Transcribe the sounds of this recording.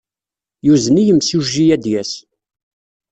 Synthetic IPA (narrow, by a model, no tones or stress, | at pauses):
juzənijəmsuʒːijæd̪jæs